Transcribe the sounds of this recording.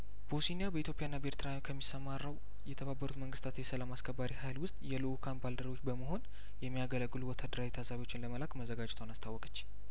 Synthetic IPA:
b̥osinijabəit̪ʰjo̞pʼjaɨnːabəeɾt̪ʰɨɾanokʰəmːisːəmaɾːəw | jɛt̪ʰəβabːəɾut̪məŋɡɨst̪ʰat̪jɛsəlamaskʰəbːaɾihajlwʊst̪ʼjɛlɨkʰanbald̪əɾo̞t͡ʃːbəməɦo̞n | jɛmːijaɡələɡːɨluwɔt̪ʰad̪əɾajit̪ʰasaβiot͡ʃːɪnləməlakməzəɡad͡ʒɛt̪ʰwanast̪ʰawːɔkʼə̥t͡ʃːi̥

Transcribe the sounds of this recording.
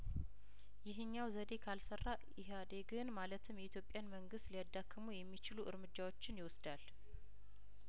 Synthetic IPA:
jɪɦɨɲːawzəd̪e̞kʰalsərːa | iɦad̪eɡɨnmalət̪ʰɨmjɛit̪jo̞pʼːjanməŋɡɨst̪liad̪ːakʰːɨmujɛmːit͡ʃɪluʔɨɾmɨd͡ʒːawo̞t͡ʃːɪnjɪwʊsd̪al

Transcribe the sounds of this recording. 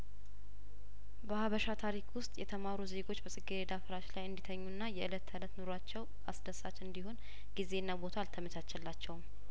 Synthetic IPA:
bəhaβəʃat̪ʰaɾikʰwʊst̪ʼjɛt̪ʰəmaɾuze̞ɡo̞t͡ʃːbəsʼɨɡiɾed̪afɨɾaʃlajɨnd̪it̪ʰəɲːuɨnːajɛʔɨlət̪ʰːəɨlət̪nuɾoat͡ʃːɛw | a̰sd̪əsat͡ʃɨnd̪iho̞n | ɡize̞ɨnːabo̞t̪ʰalt̪ʰəmət̪ʰat͡ʃːɛlːat͡ʃːɛwm

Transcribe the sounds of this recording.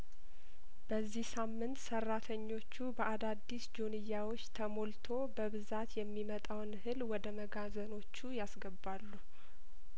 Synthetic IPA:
b̥əzːihsamːɨnt̪sərːat̪ʰəɲːo̞t͡ʃːubəʔad̪ad̪ːisd͡ʒonɨjːawo̞t͡ʃːt̪ʰəmo̞lt̪ʰo̞bəβɨzat̪jɛmːimət̪ʼawnhɨlwɔd̪əməɡazəno̞t͡ʃːujasɡəbalːu

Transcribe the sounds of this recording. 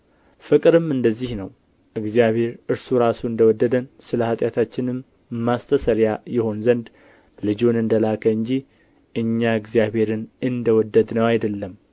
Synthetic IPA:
fɨkʼɾɨmɨnd̪əzːihnəw | ʔɨɡzijaβhe̞ɾɨɾsuɾasuɨnd̪əwɔd̪ːəd̪ənsɨləhat̪ʼjat̪ʰat͡ʃːɪnɨm | mːast̪ʰəsəɾjajɪho̞nzənd̪ | lɨd͡ʒunɨnd̪əlakʰəɨɲd͡ʒi | ʔɨɲːaɨɡzijaβhe̞ɾɨnɨnd̪əwɔd̪ːəd̪nəwajd̪əlːəm

